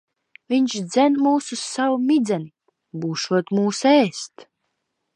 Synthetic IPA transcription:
vʲiɲʃd̪zʲɛnmuːsussavumid̪zɛni | buːʃuɔt̪muːsɛːst̪

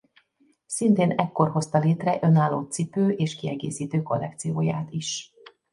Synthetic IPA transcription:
sint̪eːnɛkːo̞rɦo̞st̪ɒleːt̪rɛʔø̞naːlːoːt̪sipøːʔeːʃkiɛɡḛːsiːt̪øːko̞lːɛk̚t̪sijoːja̰ːt̪iʃ

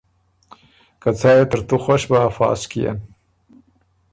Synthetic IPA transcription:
kat͡sɑjet̪əɾt̪uxoʃbaːfɑ̰ːskija̰n

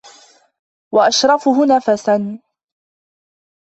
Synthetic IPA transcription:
waʔaʃɾˤɑfʊɦʊnaːfasan

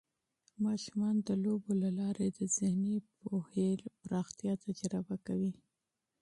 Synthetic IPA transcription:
mɑʃumɑnd̪əlobolalɑɾed̪əzɪhnipohelpɾɑxt̪ijɑt̪ad͡ʒɾabakawi

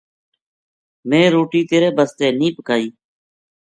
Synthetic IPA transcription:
mẽːɾoːʈiːt̪eːɾeːbəst̪eːniːpkaːiː

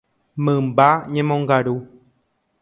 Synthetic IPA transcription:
mɨ̃mbaɲẽmõŋɡaɾu

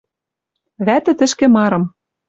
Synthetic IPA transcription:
βæt̪ɘ̆t̪ɘ̆ʃkĕmɑɾɤ̆m

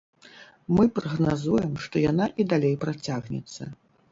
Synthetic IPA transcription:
mɨpɾɐɣnazujɛmʂt̪ɔjanaʔid̪alʲejpɾat͡sʲaɣnʲɛ̰t̪sːɐ̰

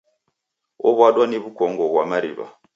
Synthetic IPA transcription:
ɔβwaɗwaniβukɔŋɡɔβwamaɾḭβa̰

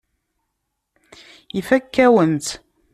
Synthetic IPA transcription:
ifækːæwənt̪

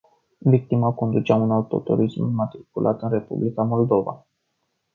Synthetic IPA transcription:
vik̚t̪imako̞nd̪ut͡ʃaunaut̪o̞̰t̪o̰ɾismːat̪ɾikulʔa̰t̪ɨnre̞pṵblikamo̞ld̪o̞va̰

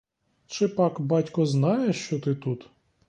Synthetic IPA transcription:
t͡ʃɪpɑkbɑtʲkɔznɑjeʃt͡ʃɔt̪ɪt̪ut̪

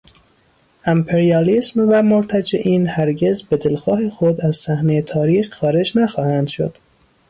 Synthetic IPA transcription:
ʔæmpʰeɾiɑːlismvæmoɾt̪ʰæd͡ʒeʔiːnhæɾɟe̞zbed̪elxɒːhexod̪æz̥sæhnejet̪ʰɒːɾiːxxɒːɾe̞d͡ʒnæxɒːhænd̪̥ʃo̰d̪̥

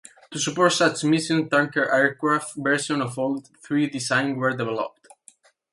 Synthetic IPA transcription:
t̪usupɔɹt̪sat͡ʃmisjɔ̃nt̪ãŋkəɹʔɛɹkɹafbɛɹsɔ̃nɔfold̪ | θɹid̪isãj̃nwəɹd̪ɛvɛlɔ̰p̚t̪

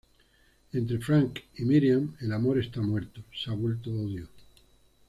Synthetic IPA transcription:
ẽ̞nt̪ɾe̞fɾaŋkimiɾjame̞lamo̞ɾe̞st̪amwe̞ɾt̪osaβwe̞lt̪ooðjo

